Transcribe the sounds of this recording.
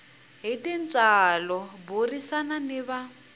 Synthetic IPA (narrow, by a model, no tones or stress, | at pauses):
ɦitʼint͡sʼalɔburisananiβa